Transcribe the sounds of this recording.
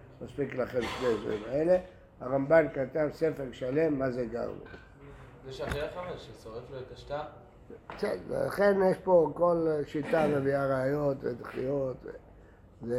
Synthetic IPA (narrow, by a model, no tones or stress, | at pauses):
maspiklaχemʃnedva̰ʁimaele | aʁambankat̪ansefe̞ʁʃale̞mːazeɡa̰ʁbḭ | zeʃaχiaχaveʃesoʁefloet̪aʃt̪a | kt͡set̪vḛla̰χe̞njeʃpo̞ko̞lʃit̪avebiaʁaːjo̞t̪ved̪χḭjot̪vḛ | ze